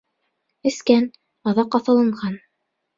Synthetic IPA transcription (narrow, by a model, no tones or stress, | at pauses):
ɘ̆skæn | ɑðɑqːɑθɑ̆lˠɤ̆ɴɢɑn